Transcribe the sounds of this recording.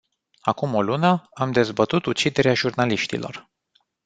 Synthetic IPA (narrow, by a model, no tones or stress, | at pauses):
akumo̞lunəamd̪e̞zbət̪ut̪ut͡ʃid̪e̞ɾeaʒurnaliʃt̪ḭlʔo̞̰r